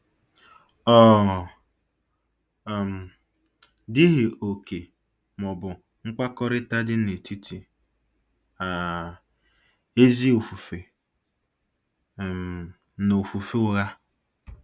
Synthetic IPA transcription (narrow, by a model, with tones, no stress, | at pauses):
ɔ˦˨ | m̩˨ | dɪ˦ɦɪ˨o˨ke˨ | mɔ˨bʊ˨ | ŋ̩˦kʷa˦kɔ˦ɾɪ˦ta˦dɪ˦ne˨tʰi˦tʰi˨ | a˨ | e˦zi˦o˨fu˨fe˨ | no˨fu˨fe˦ʊ˦ɣa˦